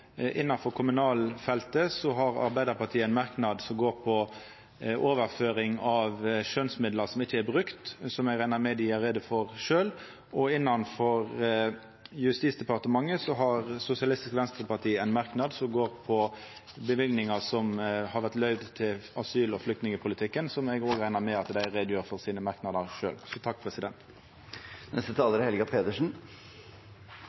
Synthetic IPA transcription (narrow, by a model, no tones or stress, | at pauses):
ʔɪnːɑnfɔɾkʰʊmʉnɑːlfɛlt̪əsɔɦɑɾɑ̰ɾbæɪd̪əɾpɑt̪ʰiːæɪnmɑɾknɑd̪sɔmɡoːɾpʰɔ | ʔoːʋəɾføːɾɪŋɑʋʃønsmɪd̪ləɾsɔmɪçːəæɾbʁʉkt̪sɔmæɪɾæɪnɑmed̪ɪɑɾeːd̪əfɔʁʃøːl | ɔɪnːɑnfɔʁ | jʉst̪iːsd̪ɛpɑʁt̪əmɑŋːəsɔɦɑʁsʊsɪɑlɪst̪ɪskʋɛnst̪ɾəpɑʈ̪ʰiːæɪnmɑʁknɑd̪sɔmɡoːɾpʰɔ | bəʋɪlɡnɪŋɑsɔmhɑɾʋæʁt̪lœʏd̪t̪ʰɪlɑsyːlɔflʏkt̪nɪŋəpʰʊlɪt̪ʰɪkːənsɔmɛɡoːɡɾæɪnɑɾmɛɑt̪d̪æɪɾed̪jøːɾfɔɾsiːnəmɑɾknɑd̪əɾʂø̰ːlsɔt̪ʰɑk̚ːpʰɾɛsɪd̪ɛnt̪ | nʔɛst̪ət̪ʰɑːləɾəhɛlɡɑpʰeːd̪əʂn̩